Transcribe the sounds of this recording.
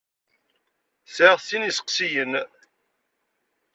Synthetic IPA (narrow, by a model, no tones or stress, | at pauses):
θæʁθinisə̥qsijən